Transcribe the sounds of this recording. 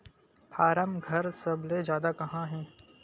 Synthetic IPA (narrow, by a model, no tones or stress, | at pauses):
pʰaːɾəmɡʱɐɾsɐblezjaːd̪akɐɦãɦɛ̃ː